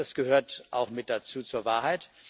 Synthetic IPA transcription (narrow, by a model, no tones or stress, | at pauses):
asɡ̥əhøːɐtʔa̰ʊxmɪt̚d̥at͡suːt͡suːɐvaːɐɦaɪt